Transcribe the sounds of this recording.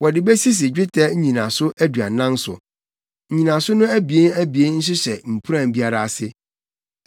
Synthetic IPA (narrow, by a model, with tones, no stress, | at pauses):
wɔ˨dɪ˨bɛ˦si˦s̬ɪ˨d͡ʑᶣɪ˦tʰɛ˦ɲ̩˦ɲĩ˨nã˨sʊ˦ʔæ˦du˨a̰˨nã˦n˦sʊ̰˨ | ɲ̩˨ɲĩ˨nã˨sʊ˦nʊ̃˦æ˦bi˨e˦næ˦bi˨e˦nn̩˦s̬ʊ˦ɕɛ˨m̩˨pʰu˦ɾã˦˨m˨bi˦a˦ɾa˨a˨sɪ˦